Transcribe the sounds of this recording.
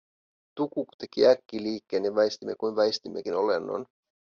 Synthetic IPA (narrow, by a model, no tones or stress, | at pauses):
t̪ukukt̪ekiækːiliːkːeːneʋɑjst̪imːekujnʋɑjst̪imːekinolenːo̰n